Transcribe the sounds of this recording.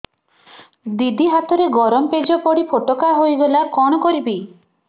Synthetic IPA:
d̪id̪ʱiɦat̪ɔɾeɡɔɾɔmped͡ʒɔpɔɽipʰoʈɔkaɦojɡɔlaɾkɔɽ̃ɔkɔɾibi

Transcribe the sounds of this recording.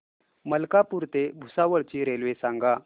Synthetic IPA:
məlkapuɾt̪ebʱusaʋəɭt͡ɕiːɾelʋesãŋɡa

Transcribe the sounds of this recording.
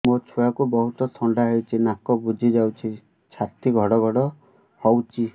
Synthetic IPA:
mot͡ʃʰujakubɔɦut̪ɔsʰɔɳɖaɦewt͡ʃʰinakɔbud͡ʒʱid͡ʒawt͡ʃʰi | t͡ʃʰat̪iɡʱɔɽɔɡʱɔɽɔ | hɔwt͡ʃʰi

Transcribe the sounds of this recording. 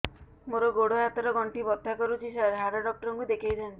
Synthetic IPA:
moɾɔɡoɽoɦat̪ɔɾɔɡɔɳʈibɔt̪ːakɔɾut͡ʃʰiʃaɾɦaɾɔɖɔk̚ʈɔɾɔŋkud̪ekʰejd̪ant̪i

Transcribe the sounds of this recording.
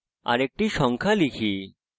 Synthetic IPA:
a̰ɾek̚ʈiʃɔŋkʰalikʰi

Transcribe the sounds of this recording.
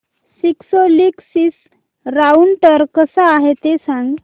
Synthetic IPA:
siksoliksis | ɾauɳʈəɾkəsaːɦet̪esãŋɡ

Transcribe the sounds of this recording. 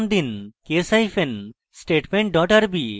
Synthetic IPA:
nd̪inkesajfen | sʈeʈmeɳʈ̚ɖɔʈaɾbi

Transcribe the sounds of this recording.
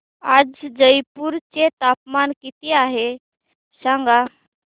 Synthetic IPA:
ad͡zd͡zəjpuɾt͡set̪apmankit̪iaɦe | sãŋɡa

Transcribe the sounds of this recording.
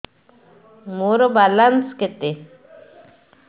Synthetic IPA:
moɾobalansket̪e

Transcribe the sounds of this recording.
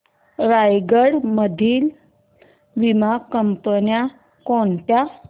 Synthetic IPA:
ɾajɡəɽməd̪ʱiːl | ʋimakːəmpənja | koɳt̪ja

